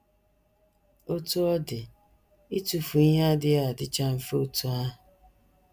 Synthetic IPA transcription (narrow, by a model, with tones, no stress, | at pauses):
o˦tu˦ɔ˦dɪ˨ | i˦tu˨fu˨i˦ɦa˦dɪ˦a˦˨dɪ˦t͡ʃa˦m̩˦fo˦˨tu˦a˦ɦʊ˨